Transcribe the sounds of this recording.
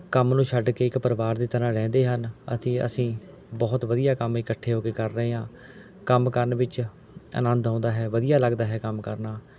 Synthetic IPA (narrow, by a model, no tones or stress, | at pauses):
kəmnũːʃʰəɖkeːɪkpəɾʋaːɾd̪iːt̪əɾãːɾɛ̃ːnd̪eːɦənə̰t̪ĩːə̰sĩː | bɔːt̪ʋəd̪ijaːkəmeːkəʈʰːeːɦoːkeːkəɾːəɦeːɦãː | kəmkəɾnʋɪt͡ʃ | ə̰nə̃nd̪ãːnd̪aːɦɛːʋəd̪ɪjaːləɡd̪aːɦɛːkəmkəɾnaː